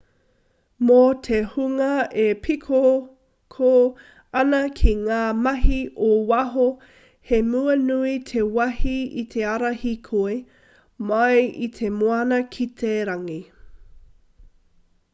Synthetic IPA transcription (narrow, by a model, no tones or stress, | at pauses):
mot̪ʰehuŋɐʔepʰikʰo | kʰo | ɐnɐkʰiŋaːmɐɦiʔowɐɦo | hemuɐnuit̪ʰewɐhiit̪ʰe̞ɐɾɐhikʰoe | mɐjit̪ʰemoɐnɐkʰitʰeɾɐŋi